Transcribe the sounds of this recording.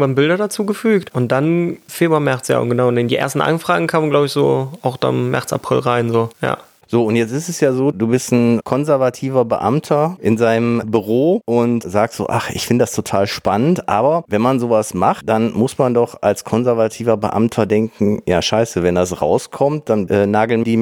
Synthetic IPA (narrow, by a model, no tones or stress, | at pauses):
vanbɪldɐdat͡suːɡəfyːktʔʊnt̚d̥anfeːbɐmɛɐt͡sja̰ːʊ̰nɡənaʊʊnɪndiːʔḛːɐstn̩ʔa̰nfʁ̥aːɡŋ̩kʰaːmnɡlaʊbɪçz̥o̰ːaʊxd̥a̰mmɛ̰ɐt͡sa̰pʁ̥ɪ̰lʁaɪnzoːja̰ː | z̥oːʊntjɛt͡sɪstɛsjaːzoːduːbɪstn̩kʰɔnzɛɐvatʰiːvɐbə̰ʔa̰mtʰɐʔɪnzaɪnəmbyʁoːʔʊntzaːk̚tz̥o̰ːʔa̰χʔɪ̰çfɪndədastʰotʰaːlʃpanəntʔaːbɐvɛnmanzoːvasmaχtd̥anmʊsmandɔχa̰lskʰɔnzɛɐvatʰiːvɐbə̰ʔa̰mtʰɐdɛŋkŋ̩ja̰ːʃaɪsəvɛndasʁa̰ʊskʰɔmt̚d̥anʔɛːnaːɡl̩nd̥iː